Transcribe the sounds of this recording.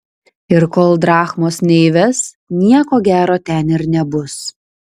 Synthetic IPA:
ɪɾkoːlˠd̪ɾɑːxmoːsnʲɛɪʋʲɛs | nʲiɛkoːɡʲæːɾoːt̪ʲɛnɪɾnʲɛbʊs

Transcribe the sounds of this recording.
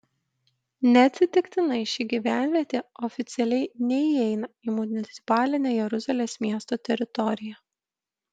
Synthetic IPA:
nʲɛɐt̪ʲsʲɪt̪ʲɪkʲt̪ʲɪnɐɪʃʲiːɡʲiʋʲæˑnʲʋʲiɛt̪ʲeːɔfʲɪt̪sʲɪɛlʲɛɪnʲɛiɛɪnɐiːmʊnʲɪt̪sʲɪ̥pɑːlʲɪnʲeːjɛɾʊzʲɐlʲeːsmʲiɛst̪oːt̪ʲɛɾʲɪt̪ɔɾʲɪjɛ

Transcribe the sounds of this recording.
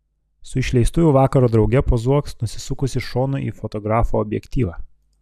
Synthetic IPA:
sʊɪʃʲlʲɛɪst̪ʊʋʲʊʋɑːkɐɾoːd̪ɾɒʊɡʲɛpozuɔksnʊsʲɪsʊkʊsʲɪʃoːnʊʔḭːfɔt̪ɔɡɾɑːfoɔbʲjɛ̰kʲt̪ʲiːʋɑː

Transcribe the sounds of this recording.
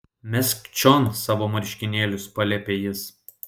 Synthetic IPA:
mʲɛsʲkt͡ʃʲɔnsɑːʋoːmɐɾʲʃʲkʲɪnʲeːlʲʊspɐlʲɛpʲeːjɪs

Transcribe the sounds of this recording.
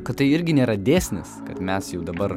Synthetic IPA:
kɐt̪t̪ɐɪɪɾʲɡʲɪnʲeːɾɐd̪ʲeːsʲnʲɪ̰skɐt̪mʲɛsjɛʊd̪ɐbɐɾ

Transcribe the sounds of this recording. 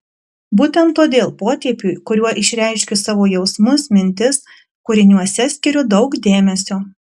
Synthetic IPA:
buːt̪ʲɛnt̪ːoːd̪ʲeːlˠpoːt̪ʲiɛpʲuːˑɪkʊɾʲuɔʔɪʃʲɾʲæɪʃʲkʲɪsɑːʋoːjɛʊsmʊsmʲɪnʲt̪ʲɪs | kʊɾʲɪnʲuɔsʲɛsʲkʲɪɾʲʊd̪ɒʊkd̪ʲeːmʲɛsʲoː

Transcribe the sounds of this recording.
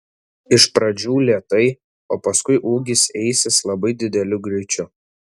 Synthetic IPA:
ɪʃpɾɐd͡ʒʲuːlʲiɛt̪ɐɪ | oːpɐskʊɪʔuːɡʲɪsɛɪsʲɪslˠɐbɐɪd̪ʲɪd̪ʲɛlʲʊɡɾʲɪɪt͡ʃʲʊ

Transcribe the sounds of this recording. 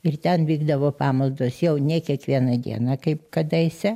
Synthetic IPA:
ɪrt̪ʲɛnʋʲiːɡd̪ɐʋoːpɑːmɐlˠd̪oːsjɛʊnʲɛkʲiɛkʋʲiɛnɐd̪ʲḭɛnɑkɐɪpkɐd̪ɐɪsʲɛ

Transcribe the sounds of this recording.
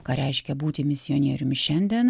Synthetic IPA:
kɐɾʲɛɪʃʲkʲɛbuːt̪ʲɪmʲɪsʲɪjonʲiɛːɾʲʊmʲʃʲɛnʲd̪ʲiɛn

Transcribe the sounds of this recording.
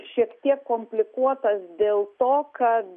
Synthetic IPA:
ʃʲiɛkt̪ʲiɛkːoːmʲpʲlʲɪkuɔt̪ɐsd̪ʲeːlˠt̪oːkɐt̪

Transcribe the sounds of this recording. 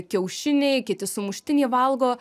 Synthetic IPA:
kʲɛʊʃʲɪnʲɛɪkʲɪt̪ʲɪsʊmʊʃʲt̪ʲɪnʲiːʋɐlˠɡoː

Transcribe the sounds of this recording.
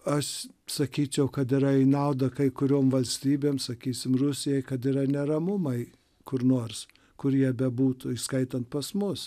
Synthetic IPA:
ɐʃ | sɐkʲiːt͡ʃʲɛʊkɐt̪ɪɾɐɪnɐʊd̪ɐkɐɪkʊɾʲoːmʋɐlʲsʲt̪ʲiːbʲeːmsɐkʲiːsʲɪmrʊsʲɪjɛɪkɐt̪ɪɾɐnʲɛɾɐmʊmɐɪ | kʊrnoːrs | kʊɾjiɛbʲɛbuːt̪ʊɪskɐɪt̪ɐnt̪̚pɐsmʊs

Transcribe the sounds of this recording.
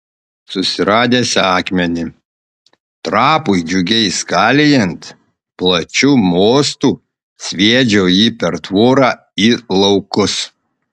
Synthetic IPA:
sʊsʲɪɾɑːd̪ʲeːsʲɑːkmʲɛnʲɪ | t̪ɾɑːpʊɪd͡ʒʲʊɡʲɛɪskɑːlʲɪjɛnt̪ | plˠɐt͡ʃʲuːmoːst̪uː | sʲʋʲiɛd͡ʒʲoːjiːpʲɛɾt̪ʋoːɾɑː | ilˠɐʊkʊs

